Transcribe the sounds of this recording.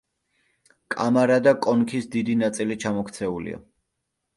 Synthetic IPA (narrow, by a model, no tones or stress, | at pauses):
kʼa̰maɾad̪akʼɔnkʰisd̪id̪inat̪sʼilit͡ʃʰamɔkʰt̪sʰɛulḭa̰